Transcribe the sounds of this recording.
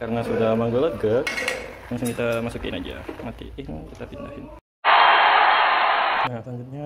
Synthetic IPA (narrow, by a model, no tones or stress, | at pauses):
kaɾənasudahmaŋɡələt̪̚ɡək̚ | aŋsʊŋkit̪amasukɪ̰nad͡ʒa̰mat̪ḭɪhnkit̪apinda̰hɪn | nataŋɡut̪̚ɲa